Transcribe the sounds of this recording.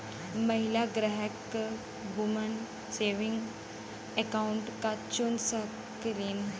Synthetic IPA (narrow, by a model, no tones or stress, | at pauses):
məɦilaɡɾəɦək | bumən | seʋiŋɡ | ekauɳʈkat͡ɕunsə | kəɾiːn